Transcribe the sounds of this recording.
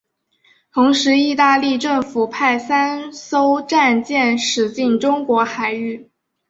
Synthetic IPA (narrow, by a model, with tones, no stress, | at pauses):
t̪ʰʊ˧˥ŋʂɻ̩˧˥i˥˧t̪a˥˧li˥˧ʈ͡ʂɤ˥˩ŋfu˨˩pʰa˥˩ɪsa˥nso˥ʊʈ͡ʂa˥˧nt͡ɕjɛ˥˩nʂɻ̩˨˩t͡ɕi˥˩nʈ͡ʂʊ˥ŋkwɔ˧˥xa˨˩ɪy˥˩